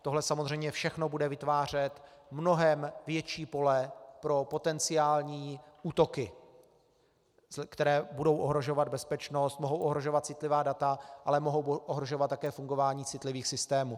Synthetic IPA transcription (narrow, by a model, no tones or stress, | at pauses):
t̪o̞ɦlɛsamo̞zrɛjmɲɛfʃɛxno̞budɛvɪt̪vaːr̝ɛt̪mno̞ɦɛmvjɛt͡ʃiːpo̞lɛpɾo̞po̞t̪ɛnt͡sɪaːlɲiːʔuːt̪o̞kɪ | kt̪ɛɾɛːbudo̞wʔoɦɾo̞ʒo̞vad̪̚bɛspɛt͡ʃno̞st̪moɦo̞wʔoɦɾo̞ʒo̞vat̪̚t͡sɪt̪lɪvaːdat̪aʔalɛmoɦo̞wʔoɦɾo̞ʒovat̪ːakɛːfuŋɡo̞vaːɲiːt͡sɪt̪lɪviːxsɪst̪ɛːmuː